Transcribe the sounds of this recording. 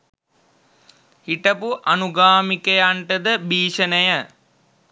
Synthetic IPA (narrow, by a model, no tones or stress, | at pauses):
hiʈɐpuʔɐnuɡaːmikɐjaɳʈəd̪əbiːʃənəjə